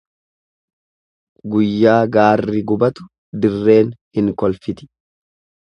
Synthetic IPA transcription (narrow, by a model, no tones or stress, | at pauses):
ɡʊjːaːɡaːrːɪɡʊbɐt̪ʊ̥ | d̪ɪrːe̞ːnhɪŋkɔlfɪt̪ɪ̥